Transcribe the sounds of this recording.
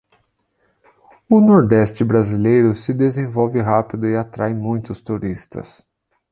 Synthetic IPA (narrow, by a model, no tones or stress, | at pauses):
ʊnoɾd̪ɛst͡ʃɪbɾazilejɾʊsɪd̪ezẽvɔwvɪɦapid̪ʊɪat̪ɾajmũj̃t̪ʊst̪uɾist̪ɐ̰s